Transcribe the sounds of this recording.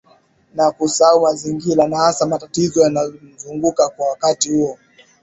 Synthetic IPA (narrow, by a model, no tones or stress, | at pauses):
nakusaumaziŋɡiɾanahasamatatizɔjanazuŋɡukakwawakatihuɔ